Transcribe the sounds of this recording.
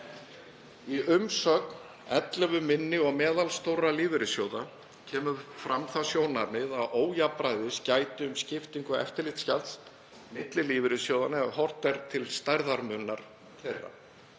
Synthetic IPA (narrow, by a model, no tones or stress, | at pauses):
iʏmsœːkn | ɛ̰t̪lɛvʏmɪnːɪɔɣmɛːðalst̪owrːaliːvɪɾɪsjowða | cʰɛːmʏfɾamθasjoːwnaɾmɪðaðoːwjapɾajðɪscaːjt̪ɪʏmscɪft̪iŋkʏɛ̰ft̪ɪɾlɪt̪scalt̪s | mɪt̪lɪliːvɪɾɪsjowðanɪahɔr̥t̪ɛɾ̥t̪ʰɪlst̪ajɾðaɾmʏnːaɾ̥ | θerːa̰